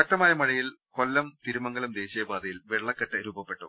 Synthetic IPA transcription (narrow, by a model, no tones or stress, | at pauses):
kɐʈːɐmaːjɐmɐɻɐjilkolːɐmt̪iɾumɐŋɡɐlumd̪e̞ːɕijɐbaːd̪ɐjilʋeɭːɐkːɐʈːɐɾuːbɐpːeʈːu